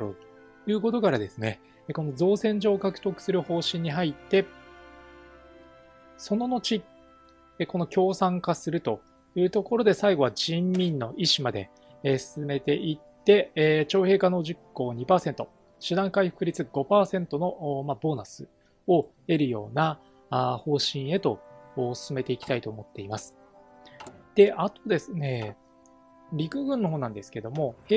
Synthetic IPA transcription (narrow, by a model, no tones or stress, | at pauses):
o̰ | jɯ̟ːko̞t̪o̞kaɾad̪e̞sɨne̞ | eko̞nozo̞ːsẽ̞ɲ̟d͡ʑo̞ːkakɯ̥t̪o̞kɯ̟̥sɨɾɯ̟ho̞ːɕĩɲ̟ːiɦait̪ːe̞ | so̞no̞no̞t͡ɕi | ko̞no̞kʲo̞ːsãŋkasɨɾɯ̟t̪o̞ | jɯ̟ːt̪o̞ko̞ɾo̞d̪e̞saiɡo̞βaʑĩmːʲĩnːo̞ʔiɕimad̪e̞̰ | sɨ̥sɨme̞t̪e̞ʔit̪ːe̞t͡ɕo̞ːhe̞ːkano̞ːʑikːo̞ːɲ̟ipaːse̞nt̪o̞ | ɕɨd̪ãŋkaiɸɯ̥kɯ̟ɾʲit͡sɨɡ̥o̞paːsẽ̞nt̪o̞noʔmabo̞ːnasɨ | o̞ | e̞ɾɯ̟jo̞̰ːna | ho̞ːɕĩɰ̃e̞t̪o̞ːsɨ̥sɨme̞t̪eikʲi̥t̪ait̪o̞ːmo̞t̪ːe̞imasɨ̥ | d̪̥e̞ʔat̪o̞d̪e̞sɨne̞ | ɾʲikɯ̟ɡɯ̟̃nːo̞ɦo̞ːnãnd̪e̞sɨ̥ke̞d̪o̞mo̞he